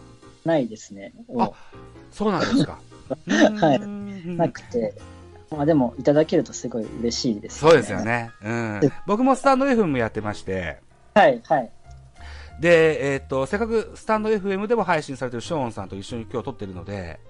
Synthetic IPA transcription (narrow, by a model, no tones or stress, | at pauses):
naid̪e̞sɨne̞oaso̞ːnãnd̪sɨ̥ka̰ | hainakɯ̟̥tt̪e̞ | mad̪e̞mo̞ʔit̪ad̪ake̞ɾɯ̟t̪o̞sɨɡo̞ḭɯɾe̞ɕiːd̪e̞sɨso̞ːd̪e̞sɨjo̞̰ne̞ɯ̟̃ːbo̞kɯ̟mo̞sɨ̥t̪ãnd̪o̞e̞ɸɯe̞mojat̪ːe̞maɕi̥t̪e̞̰ | haihai | d̪e̞ːt̪ːo̞se̞kːakɯ̟sɨ̥t̪ãnd̪o̞e̞ɸɯ̟e̞mɯ̟d̪e̞mo̞ɦaiɕĩsaɾe̞t̪eɾɯ̟ɕõ̞ːɰ̃sãnt̪o̞iɕːo̞ɲ̟ikʲo̞ːt̪o̞t̪ːe̞ɾɯ̟no̞d̪e̞̰